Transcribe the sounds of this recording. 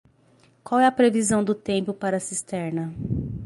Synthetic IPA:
kwawɛɐpɾevizɐ̃w̃d̪ʊt̪ẽmpʊpaɾɐsist̪ɛɾnɐ

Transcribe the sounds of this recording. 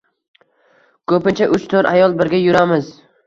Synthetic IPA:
kʰɵpɪnt͡ʃʰaʔʊt͡ʃt̪ʰoɾʔajɒlˠbɪɾɡʲajʊɾamɪz

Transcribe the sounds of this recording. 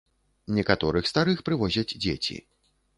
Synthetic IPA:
nʲɛkat̪ɔɾɨxst̪aɾɨxpɾɨvɔzʲɐd͡zʲd͡zʲḛt͡sʲḭ

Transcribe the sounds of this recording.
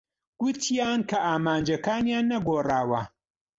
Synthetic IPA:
ɡ̥ʊt̪ʰijaːnkʰɐʔaːmaːnd͡ʒɐkaːnjaːnːɐɡoːraːwɐ

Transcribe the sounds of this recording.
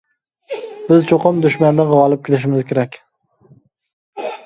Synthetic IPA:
bɪzt͡ʃʰoqʰɨmd̪ʊʃmand̪aʁɒlˠɪp̚kʲʰɪlɪʃ̬ɪmɪzkʲʰeɾakʲ

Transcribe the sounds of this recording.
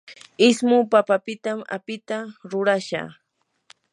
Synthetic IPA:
ɪsmʊpapapɪt̪ama̰pɪt̪aɾʊɾaʃa̰ː

